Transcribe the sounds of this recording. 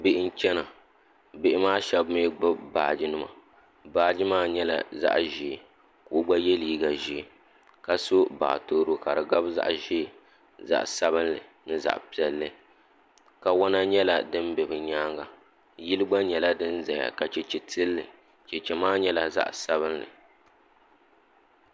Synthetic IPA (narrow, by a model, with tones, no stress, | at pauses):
bɪ˦˨ʔɪ˦n̩˦t͡ʃɛ˦na˨ | bɪ˦˨ʔɪ˦maː˦ʃɛ˦bme˦ɡ͡bʊ˦baː˨d͡ʒi˦nɨ˦ma̰˨ | baː˨d͡ʒi˦maː˦ɲɛ˦la̰˨za̰˦ʔʒi˨ | ku˨˦ɡ͡ba˦jɛ˦liː˦ɡa˨ʒi˦˨ | ka˨so˦ba̰˨ʔtoː˦ɾo˦ka˨ɾɨ˨ɡa˦bza̰˦ʔʒi˦˨ | za̰˨ʔsa˦bɨ˦nlɨ˨ | nɨ˦za̰˨ʔpi˨ɛ˨lːɨ˦ | ka˨wa˦na˦ɲɛ˦la̰˨dɨ˦m˦bɛ˨bɨ˨ɲaː˦ŋɡa˨ | ji˦lɨ˦ɡ͡ba˦ɲɛ˨la˦dɨ˦n˦za˨ja̰˨ka˨t͡ʃɛ˨t͡ʃɛ˨tɨ˦lːɨ˨ | t͡ʃɛ˨t͡ʃɛ˨maː˦ɲɛ˦la˦za̰˦ʔsa˦βɨ˦nlɨ̰˨